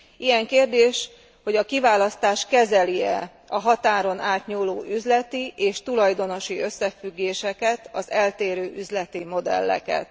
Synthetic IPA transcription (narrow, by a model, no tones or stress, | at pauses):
ijɛŋkeːrd̪eːʃ | ho̞ɟɒkivaːlɒst̪aːʃkɛzɛliɛ | ɒɦɒt̪aːɾo̞naːt̪ɲuːloːʔyzlɛt̪iʔeːʃt̪ulɒjd̪o̞no̞ʃiø̞sːɛfyɡːeːʃɛkɛt̪ɒzɛlt̪eːɾøːʔyzlɛt̪imo̞d̪ɛ̰lːɛ̰kɛ̰t̪